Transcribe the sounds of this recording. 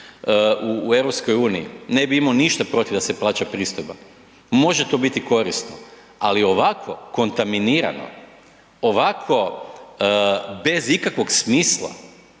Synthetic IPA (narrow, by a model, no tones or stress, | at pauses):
uːe̞vɾopsko̞juːniḭne̞biimaoniʃt̪apɾo̞t̪ivd̪ase̞plˠaːt͡ɕapɾiːst̪ojba̰ | mo̞ʒe̞t̪o̞bit̪iko̞ɾist̪no̰ | alio̞ʋakʰo̞ko̞nt̪aminiːɾa̰no̞̰ | oʋakʰo̞ | be̞zikakʋo̞ɡsmiːslˠa̰